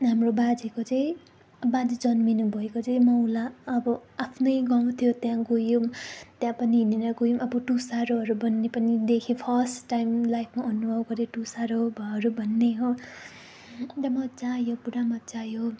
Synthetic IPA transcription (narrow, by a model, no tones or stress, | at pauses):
ɦamrobad͡zekot͡sʌĩ | bad͡zid͡zʌnminubʱʌekot͡sʌĩmʌwlaʌbʌapʰnʌjɡaw̃t̪ʰjot̪jãɡujumt̪jãpʌniɦineɾʌɡujumʌbʌʈusaɾoɦʌɾubʱʌnːepʌnid̪ekʰepʰʌsʈajmlajpʰmaʔʌnubʱʌwɡʌɾeʈusaɾobʱʌʌɾubʱʌnːeɦo | d̪ʌmʌt͡sajopuɾamʌt̪t͡sajo